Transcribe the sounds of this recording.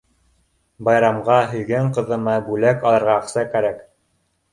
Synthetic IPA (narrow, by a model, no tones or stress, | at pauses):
bɑjɾɑmʁɑɦɵ̆jɡæɴqɤ̆ðɤ̆mɑbʉlækɑlˠɤ̆ɾʁɑːχsɑkæɾæk